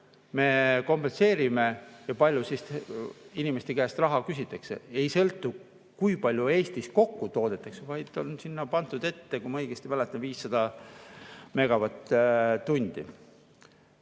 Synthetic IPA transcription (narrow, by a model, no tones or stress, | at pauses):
me̞ko̞mpe̞nse̞ːɾime̞jɑpɑlʲjusist̪inʲimest̪ikæːst̪rɑɦɑkysʲit̪ːˑeksḛejsɤlt̪ːˑu | kujpɑlʲjue̞ːst̪is̚ko̞kːut̪o̞ːd̪̥et̪ːˑɑksevɑjd̪̥o̞nsinːɑpɑnt̪ːˑud̪̥e̞t̪ːe̞kujmɑɤjɡ̥est̪imælet̪ːˑɑmviːsːɑd̪̥ɑ | me̞ɡ̥ɑvɑt̪ːt̪ːunʲd̪̥i